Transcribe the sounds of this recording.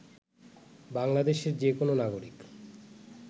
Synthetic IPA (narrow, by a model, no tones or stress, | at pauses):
baŋlad̪eʃeɾd͡ʑekononaɡoɾik